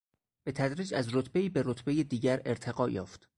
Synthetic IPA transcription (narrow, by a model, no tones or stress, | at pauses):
b̥e̞t̪ʰæd̪ɾiːd͡ʒæzɾot̪ʰbe̞iːbeɾot̪ʰbejed̪iːɟæɾe̞ɾt̪ʰe̞ɡɒːjɒːft̪